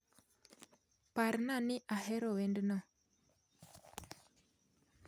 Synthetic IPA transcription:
paɾnaniʔahɛɾɔwɛndnɔ

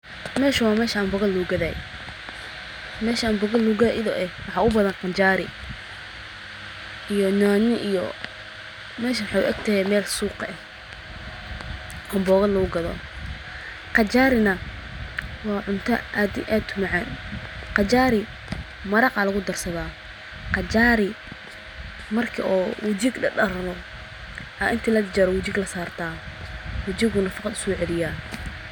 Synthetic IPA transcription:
mɛːʃɐwɑːmɛːʃɐɐmbɔɣɐluːɡɐðɐj | mɛːʃɐmbɔɣɐluːɣɐðɐʔɪðɔʔɛwɑħɑːʔʊbɐðɐnqɑnt͡ʃaːɾɪ | ijɔnaːnɪʔijɔ̰ | mɛːʃɐwɑħɑjʊ̰ʔɐ̰ɡt̪ʰɐɦɛmɛːlsuːqɛ | ʔɐmbɔːɣɐluːɡɐðɔ̰ | qɑt͡ʃaːɾɪnɐ | wɑːʕʊnt̪ʰɐ̰ʔad̪ʔaːd̪ʰʊmɐʕaːnqɑt͡ʃaːɾɪ | mɐɾɑqɑlɐɣʊd̪ɐrsɐðaː | qɑt͡ʃaːɾɪ | mɐrkʰɪ̰ʔɔːwʊt͡ʃɪɡɖɐɖɐɾnɔ | ʔɐʔɪnt̪ʰiːlɐd̪t͡ʃɐɾɔwʊt͡ʃɪɡlɐsaːrt̪ʰaːwʊt͡ʃɪɣʊnɐfɑqɑd̪ʊ̥sɔːʕɛlɪjaː

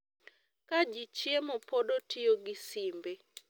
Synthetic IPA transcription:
kad͡ʒit͡ʃjemɔpodotioɡɪsimbe

